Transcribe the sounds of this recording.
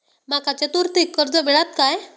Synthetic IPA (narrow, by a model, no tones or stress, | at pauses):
makat͡set̪uɾt̪ikːəɾd͡zɔmɛɭat̪kaj